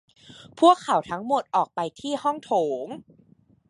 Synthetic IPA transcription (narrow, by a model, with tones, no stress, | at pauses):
pʰu˥˩əkʰːa˨˩˦wt̪ʰa˦˥ŋmo˨˩t̪̚ʔɔː˨˩k̚pa˧jt̪ʰiː˥˩hɔ˥˩ŋt̪ʰoː˩˦ŋ